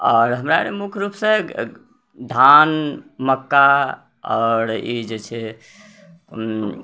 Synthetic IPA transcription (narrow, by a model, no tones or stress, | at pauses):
ɔːɾɦəmɾaɾemukʰɾupsẽ | d̪ʱanməkːa | ɔːɾid͡ʒet͡ʃʰɛ